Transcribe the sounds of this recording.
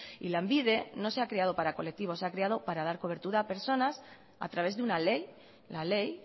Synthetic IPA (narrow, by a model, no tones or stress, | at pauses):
ḭlambið̞e̞no̞se̞akɾeað̞o̞paɾako̞le̞k̚t̪iβo̞seakɾeaðo̞paɾað̞aɾko̞β̞e̞ɾt̪uɾaːpe̞ɾso̞nas | a̰t̪ɾaβe̞zðunale̞j | lale̞j